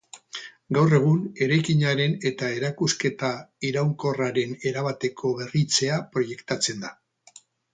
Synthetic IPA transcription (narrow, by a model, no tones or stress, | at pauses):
ɡawre̞ɣ̞une̞ɾajkiɲaɾe̞ne̞t̪ae̞ɾakuske̞t̪aiɾawŋko̞raɾe̞ne̞ɾaβat̪e̞kʰo̞βe̞rit͡se̞apɾo̞je̞kt̪at͡se̞nd̪a